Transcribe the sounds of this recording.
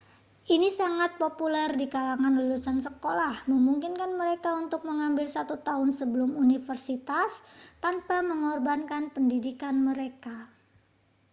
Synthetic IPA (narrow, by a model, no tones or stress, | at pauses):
ʔinisaŋat̪̚populɛrdikalaŋanlulusansəkolahməmuŋkɪnkanməɾekaunt̪ʊk̚məŋambɪlsat̪ut̪aɦʊnsəbəlʊmunifərsit̪ast̪anpaməŋɔrbankanpəndidikanməɾeka